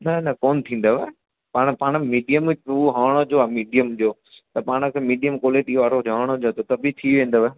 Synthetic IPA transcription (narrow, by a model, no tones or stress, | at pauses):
nɐnɐkɔːnt̪ʰĩːn̆d̪oʋe | paːɽ̃paːɽ̃miːɖijəmuɦaːɽ̃od͡ʑoamiːɖijəmd͡ʑoː | t̪ɐpaːɽ̃ə̆kʰeːmiːɖijəmkoːleːʈiʋaːɾoaːɽ̃od͡ʑot̪ot̪ɐbʱit̪ʰiʋẽːn̆d̪oʋə